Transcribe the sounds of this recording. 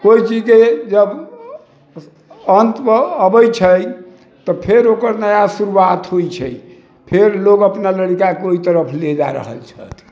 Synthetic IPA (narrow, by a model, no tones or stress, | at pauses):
koit͡ʃid͡ʒked͡ʒəb | ənt̪əbəjt͡ʃʰəj | t̪ɔpʰeɾokəɾnəjasuɾuwat̪ɦojt͡ʃʰəj | pʰeɾloɡəpnaləɽikakeoit̪əɾəpʰled͡ʒa̰ɾə̰ɦə̰lt͡ʃʰə̰t̪ʰ